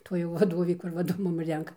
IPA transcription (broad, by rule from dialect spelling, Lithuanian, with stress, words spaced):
ˈtuɔj jɛʊ ʋɐˈdoːʋʲeː ˈkʊr ˈʋɐrdʊ ˈmʊm ˈrʲɛŋkɐ